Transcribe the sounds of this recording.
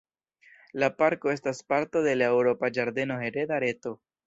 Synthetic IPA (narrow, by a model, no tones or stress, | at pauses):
lapaɾko̞e̞s̬taspaɾt̪o̞d̪e̞lewɾo̞pad͡ʒaɾd̪e̞no̞ɦe̞ɾed̪aɾe̞to̞